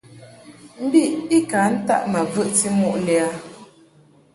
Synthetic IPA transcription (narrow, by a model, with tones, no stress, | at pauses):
m̩˦bi˦˨ʔi˦ka˨˦n̩˦ta̰˦˨ʔma˨vɨ˦ʔti˦mu˦ʔlɛ˨a˦